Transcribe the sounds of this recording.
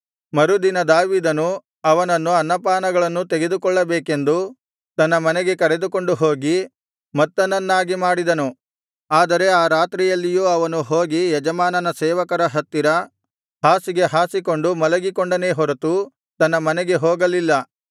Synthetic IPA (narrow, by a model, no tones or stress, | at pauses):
mɐɾud̪inɐd̪aːʋiːd̪ɐnu | ɐʋɐnɐnːuɐnːɐpaːnɐɡɐɭɐnːut̪eɡe̞d̪ukɔɭːɐbeːke̞nd̪u | t̪ɐnːɐmɐneɡe̞kɐɾed̪uko̞ɳɖuɦoːɡi | mɐt̪ːɐnːɐnːaːɡimaːɽid̪ɐnu | aːd̪ɐɾe̞aːɾaːt̪ɾijɐlːijuːɐʋɐnuɦoːɡijɛd͡ʒɐmaːnɐnɐsɛːʋɐkɐɾɐɦɐt̪ːiɾɐ | ɦaːsiɡe̞ɦaːsiko̞ɳɖumɐlɐɡikoɳɖɐne̞ːɦɔɾɐt̪u | t̪ɐnːɐmɐnɛɡe̞ɦoːɡɐlilːɐ